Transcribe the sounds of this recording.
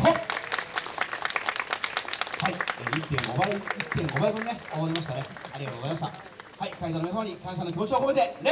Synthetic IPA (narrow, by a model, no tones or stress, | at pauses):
e | haieit̪ːẽŋɡoβaɾeit̪ːẽŋɡo̞baɾebɯ̃nːeoβaɾimaɕi̥t̪aneaɾʲiɡat̪oɣzaijmaɕta | haikaizanomesoːɲ̟ikãɰ̃s̬ãnːokʲimo̞t͡ɕiokoet̪e̞ɾe